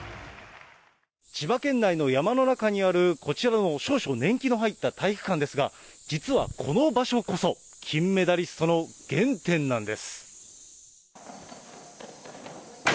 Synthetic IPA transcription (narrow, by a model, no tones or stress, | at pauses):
t͡ɕibakẽ̞nːaino̞jamano̞nakaɲ̟iaɾɯ̟kʰo̞t͡ɕiɾano̞ɕo̞ːɕo̞nẽ̞ŋkʲinoɦait̪ːat̪ʰaiɸɯ̟̥kãnd̪e̞sɨɡad͡ʑit͡sɨβa̰kʰo̞no̞baɕo̞ko̞so̞ | kʲʰĩmːe̞d̪aɾʲisɨ̥t̪o̞no̞ɡ̥ẽ̞nt̪ẽ̞nːãnd̪e̞sɨ̥